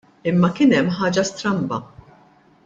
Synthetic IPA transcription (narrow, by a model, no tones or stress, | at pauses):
ɪmːɐkɪːnɛmːħɐːd͡ʒɐst̪ɾɐmbɐ̰